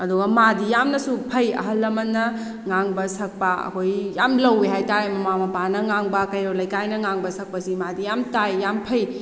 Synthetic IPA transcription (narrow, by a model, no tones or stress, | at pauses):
ɐduɡɐmadijamnɐsupʰɐjɐ̰ɦɐlːɐmɐnːɐ | ŋaŋbɐsɐk̚paɐ̰kʰojjamlɐweɦajtaɾemɐmamɐpanɐŋaŋbɐkɐjɾolɐjkajnɐŋaŋbɐsɐk̚pɐsimadijamtajjampʰɐj